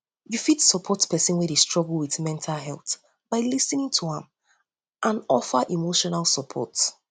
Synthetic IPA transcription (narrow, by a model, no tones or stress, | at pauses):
jufitsɔpʰɔtpɛsɛ̃nwɛdestɹ̥ɔɡl̩wiθmɛ̃ntʰalɦɛlˠθ | b̥aɪlisnĩŋtʰuãm | ʔãnɔfaʔimoʃɔnalˠsɔpʰɔ̰t